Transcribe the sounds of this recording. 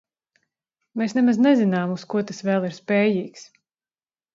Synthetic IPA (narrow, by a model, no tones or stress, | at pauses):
meːsnɛmaznɛzinaːmuskuɔt̪asvɛːlˠiɾspɛːjiːks